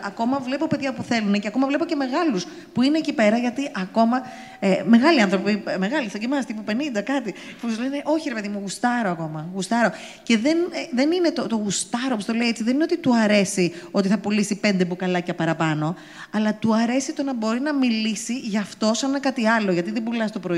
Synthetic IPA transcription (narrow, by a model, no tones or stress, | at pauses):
ɐko̞mɐvle̞po̞pe̞ðʝɐpuθe̞luneceɐko̞mɐvle̞pocemeɣɐlus | puineːcipe̞ɾɐʝɐt̪iʔɐko̞mɐ | eme̞ɣɐliɐnθɾopime̞ɣɐlisɐɟimɐst̪ipupe̞nind̪ɐkɐt̪i | fozlene̞ʔo̞çiɾepe̞ðimuɣust̪ɐɾo̞ɐko̞mɐɣust̪ɐɾo̞ | ce̞ðe̞nðe̞nine̞t̪ot̪oɣust̪ɐɾopost̪o̞leiet͡siðe̞nineot̪it̪uɐɾe̞sio̞t̪iθɐpulisipe̞nd̪epukɐlɐcɐpɐɾɐpɐno̞ | ɐlɐt̪uɐɾe̞sit̪o̞nɐbo̞ɾinɐmilisiʝɐft̪o̞sɐnnɐkɐt̪iɐlo̞ʝɐt̪iðebulɐst̪o̞pɾoi